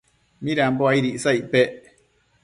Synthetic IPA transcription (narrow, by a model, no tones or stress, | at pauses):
mĩɾamboaiɾiʔsaipe